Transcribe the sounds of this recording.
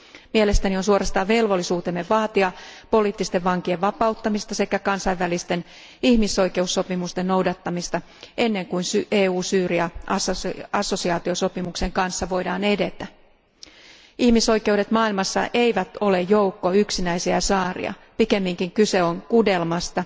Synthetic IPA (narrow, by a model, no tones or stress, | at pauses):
miele̞st̪ænionsuoɾɑst̪ɑːʋʋe̞lʋo̞lːisuːt̪emːeʋʋɑːt̪iɑpo̞liːt̪ːist̪e̞ʋʋɑŋk̟ie̞ʋʋɑpɑut̪ːɑmist̪ɑse̞kækɑnsɑjʋːælist̪e̞n | ihmiso̞jke̞usːo̞pimust̪enno̞wdɑt̪ːɑmist̪ɑ | ʔe̞nːe̞ŋkuinseːuːsyːriɑɑɑsːo̞siɑːt̪ioso̞pimukse̞ŋkɑnsːɑʋo̞jdɑːne̞de̞t̪æ | ihmiso̞jke̞ude̞t̪mɑːilmɑsːɑ̰ʔe̞jʋæt̪o̞le̞jo̞wkːoyksinæisiæsɑːrḭɑ̰pike̞mːiŋkiŋkyse̞o̞ŋkude̞lmɑst̪ɑ